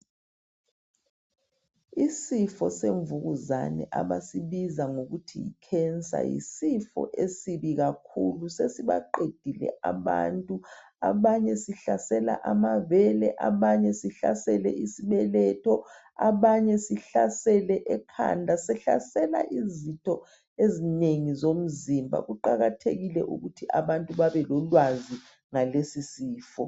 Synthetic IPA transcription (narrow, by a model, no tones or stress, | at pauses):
isifɔseɱvuɣuzanɛ̰ʔaβasiβizaŋoɣutʰijḭkʰɛnt͡sʼa̰jḭsifɔ̰ʔesiβiɣakʰulusesiβa̰ǃed̥ʱilɛ̰ʔaβa̰ntʼu | a̰βaɲɛsiɬasɛla̰ʔamavɛlɛ̰ʔaβaɲɛsiɬa̰sɛlɛ̰ʔisiβɛlɛtʰɔ | aβaɲɛsiɬasɛlɛʔɛkʰa̰ndʱasɛɬa̰sɛla̰ʔizitʰɔ | ezineŋizom̩zimbʱa̰ɣuǃaɣatʰeɣilɛʔṵɣutʰiʔa̰βantʼuβaβɛlɔlwazi | ŋalesisiːfɔ